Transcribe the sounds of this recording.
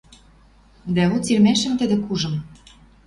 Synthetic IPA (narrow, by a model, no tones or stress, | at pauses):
d̪æut͡sirmæʃɘ̆mt̪ɘ̆d̪ɘ̆kuʒɤ̆m